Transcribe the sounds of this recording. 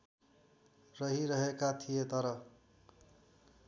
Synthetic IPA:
rʌɦiɾʌɦekat̪ʰijet̪ʌɾʌ

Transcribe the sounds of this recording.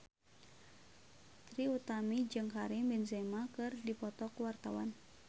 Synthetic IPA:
t̪ɾiut̪amid͡ʒɨŋkaɾimbɛnzɛmakɨrdipɔt̪ɔkuwart̪awan

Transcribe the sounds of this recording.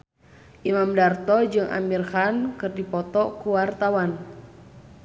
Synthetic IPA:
ʔimamdart̪ɔd͡ʒɨŋʔa̰mirxankɨrdipɔt̪ɔkuwart̪awan

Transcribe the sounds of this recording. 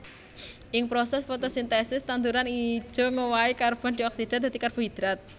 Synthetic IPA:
ʔɪŋpɾosɛsfot̪osint̪ɛsɪst̪ant̪uɾani̥ʒ̥o̤ŋowaikarb̥ɔnd̪̥iɔksid̥ɛ̃nd̪a̤t̪ikarb̥ṳɦid̪̥ɾat̪̚

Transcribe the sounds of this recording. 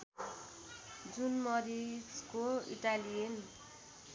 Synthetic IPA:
d͡zunmʌɾid͡zkoḭʈalijen

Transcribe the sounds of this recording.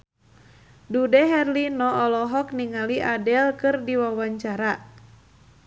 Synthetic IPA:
dudɛɦɛrlinɔɔlɔɦɔk̚niŋaliʔadɛlkɨrdiwawaɲt͡ʃaɾa

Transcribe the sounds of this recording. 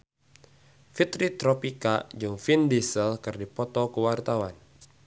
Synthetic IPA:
fit̪ɾit̪ɾɔpikad͡ʒɨŋfindisəlkɨrdipɔt̪ɔkəwart̪awan

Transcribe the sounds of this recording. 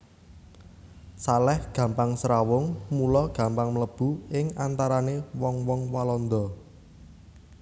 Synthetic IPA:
salɛhɡ̥ä̤mpaŋsɾawʊŋmulɔɡ̥a̤mpaŋmələb̥ṳɪŋant̪aɾanewɔŋwɔŋwalɔnd̪ɔ

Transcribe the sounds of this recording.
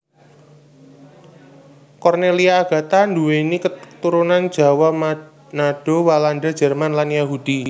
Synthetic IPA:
kɔrneliaːɡ̥ä̤t̪and̪uwenikət̪uɾunan̥d͡ʒ̥ä̤wa | naɖ̥owalandad̥d͡ʒ̥ɛ̤rmanlanjaɦud̥i

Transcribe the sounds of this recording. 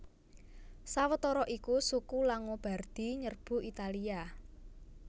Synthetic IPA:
sawət̪ɔɾɔʔikusukulaŋob̥a̤rd̪̥i̤ɲərb̥ṳit̪alia

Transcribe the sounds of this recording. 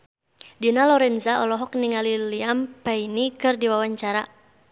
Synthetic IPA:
dinalɔɾɛnzaɔlɔɦɔk̚niŋaliliampainikɨrdiwawaɲt͡ʃaɾa

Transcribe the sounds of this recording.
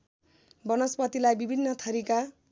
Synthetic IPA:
bʌnʌspʌt̪ilajbibʱinːʌt̪ʰʌɾika

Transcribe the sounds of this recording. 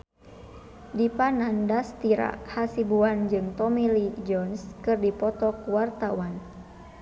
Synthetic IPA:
dipanandast̪iɾa̰hasibuand͡ʒɨŋt̪ɔmilid͡ʒɔnskɨrdipɔt̪ɔkuwart̪awan

